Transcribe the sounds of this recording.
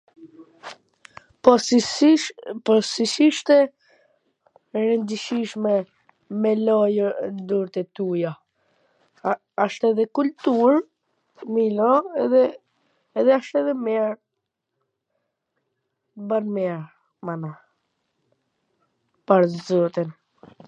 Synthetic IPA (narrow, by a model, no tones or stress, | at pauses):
pɔsisiʃt̪ɛ | ɾənd̪iʃiʃmɛ | mɛlɔjənd̪uɾt̪ɛt̪uja | aʃt̪ɛðɛkult̪uɾ | milɔɛðɛ | ɛðɛaʃt̪ɛðɛmɛɾ | banmɛɾ | mana | paɾzɔt̪in